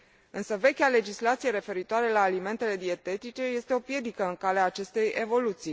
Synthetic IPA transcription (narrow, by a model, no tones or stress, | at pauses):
ɨnsəve̞kʲale̞d͡ʒislat̪sije̞ɾe̞fe̞ɾit̪oaɾe̞laːlime̞nt̪e̞le̞d̪ie̞t̪e̞t̪it͡ʃe̞je̞st̪e̞o̞pje̞d̪ikəɨŋkaleaːt͡ʃe̞st̪e̞jʔe̞vo̞lut̪sij